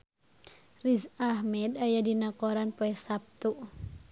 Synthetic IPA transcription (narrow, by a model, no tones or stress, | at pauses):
rizaɦmɛdajadinakɔɾanpoɛsap̚t̪uʔ